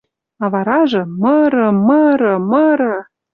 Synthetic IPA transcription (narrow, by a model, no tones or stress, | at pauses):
ɑvɑɾɑʒɤ̆məɾɤ̆məɾɤ̆məɾɤ̆